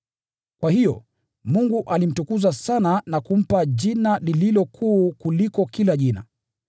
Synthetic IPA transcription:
kwahijɔ̰ | muŋɡuʔalim̩tukuzasananakum̩paʄinalililɔkʰuːkulikɔkilaʄina̰

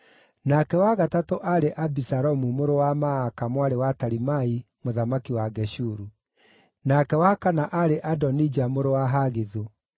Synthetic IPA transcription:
nakɛwaɣatatoʔaɾeʔabisaɾɔmumoɾowamaːkamwaɾewataɾimai | moðamakiwaɡɛʃuɾu | nakɛwakanaʔaɾeʔadɔnid͡ʒamoɾowaɦaɣeðo

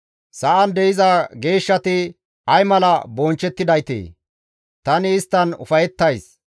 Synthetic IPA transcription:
sɐʔɐnd̪ɛɪzɐɡe̞ːʃːɐt̪ɪ | ɐjmɐlɐbɔnt͡ʃːɛt̪ːɪd̪ɐjt̪ḛː | t̪ɐnɪːst̪ːɐnʊ̰fɐjɛt̪ːɐjs

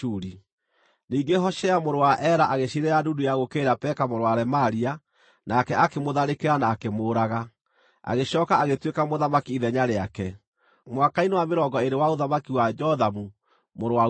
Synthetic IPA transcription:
uːɾi | niːɡeɦɔʃɛamoɾowaʔɛɾaʔaɣeɕiɾeɾadudujaɣokeːɾapɛkamoɾowaɾɛmaɾia | nakɛakemoðaɾekeɾanaːkemoːɾaɣa | a̰ɣeɕɔːkaaɣetwekamoðamakiːðɛɲaɾeakɛ | mwakainewameɾɔŋɡɔeɾewaoðamakiwad͡ʒɔðamu | moɾowa

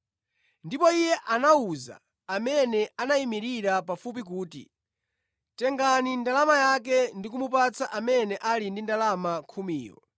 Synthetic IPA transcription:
ndipɔijɛʔanauza̰ | amɛnɛʔanaimiɾiɾapafupikuːtḭ | tɛŋɡanindalamajak̬ɛndik̬umup̬at͡sʰaʔamɛnɛʔalindindalamakʰumiːjɔ̰

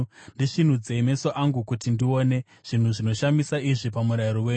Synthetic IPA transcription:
ndiʂin̤ud͡ze̞ime̞so̞ʔaŋɡukutindio̞ne̞ | ʐ̥in̤uʐino̞ʃamisaiʐipamuɾaiɾoweɲ

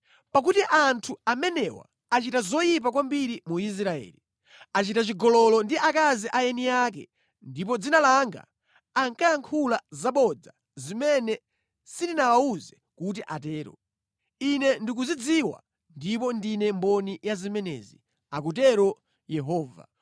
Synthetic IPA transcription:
pak̬utiʔantʰuamɛnɛwa̰ | at͡ʃitazɔjip̬akwambiɾimuis̬ɾaɛ̰ːli | at͡ʃitat͡ʃiɡɔlɔlɔndiʔakaziʔajɛnijak̬ɛ̰ | ndip̬ɔd͡zinalaŋɡa̰ː | ŋkajaŋkʰulazaɓɔd͡za | zimɛnɛ | sindinawauzɛ | kut̬iʔatɛːɾɔ̰ | inɛndik̬uzid͡ziwa̰ | ndipɔndinɛmbɔnijazimɛnɛ̰zi | ak̬ut̬ɛɾɔ | jɛɦɔːva̰

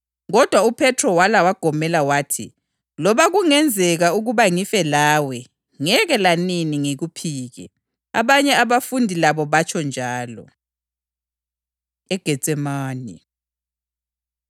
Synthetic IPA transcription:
ɣɔd̥ʱwaupʰɛtʰrɔwalawaɡ̥ʱɔmɛlawaːtʰḭ | lɔβaɣuŋɛnd͡zʱɛɣauɣuβaŋifɛlaːwɛ | ŋɛɣɛlaniniŋeɣupʰiːɣɛ̰ | a̰βaɲɛaβafundʱilaβɔβat͡ʃʰɔnd͡ʒʱaːlɔ̰ | ɛɡ̥ʱɛ̥t͡sʼɛmaːni

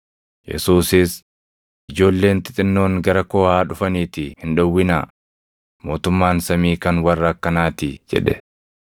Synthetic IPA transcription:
jɛ̰suːsɪs | ʔɪd͡ʒo̞ːlːe̞ːnt̪ɪt̪ʼɪnːo̞ːŋɡɐɾɐkoːhaːᶑʊfɐniːt̪ɪhɪnᶑɐwːɪna̰ː | mo̞ːt̪ʊmːaːnsɐmiːkɐnwɐrːɐkːɐnaːt̪ɪd͡ʒɛ̰ᶑɛ

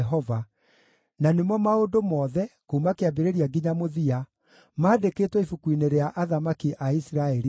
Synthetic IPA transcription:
ɦɔva | nanemwɔmaodomɔːðɛkoumakeabeɾeɾiaɡiɲamoðia | maːdekeːtwɛifukwineɾeaʔaðamakiʔaisiɾaɛɾi

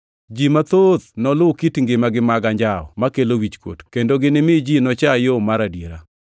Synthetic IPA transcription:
d͡ʒimat̪ot̪nɔlʊkitŋɡɪmaɡɪmaɡaɲd͡ʒaɔ̰makelowit͡ʃkwo̰tkendoɡɪnɪmɪd͡ʒinɔt͡ʃajomaɾadjeɾa

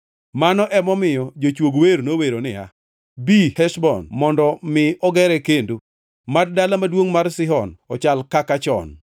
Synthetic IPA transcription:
manɔʔɛmɔmɪjɔd͡ʒot͡ʃwoɡweɾnoweɾonɪa̰ | bihɛʃbɔ̰nmɔndɔmɪɔɡɛɾɛkendo | maddalamadwoŋmarsɪɦɔnɔt͡ʃalkakat͡ʃɔ̰n

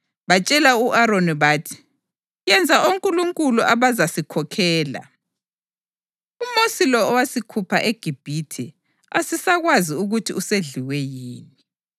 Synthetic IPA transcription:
βat͡ʃʼɛlauʔaɾoniβaːtʰi̥ | jɛnd͡zʱaʔoŋkʼuluŋkʼuluʔaβazasikʰɔkʰɛːla̰ | umosilɔːwasikʰupʰaʔeɡ̥ʱib̥ʱitʰɛ | a̰sisaɣwaziuɣutʰiuseɮiwɛjiːni

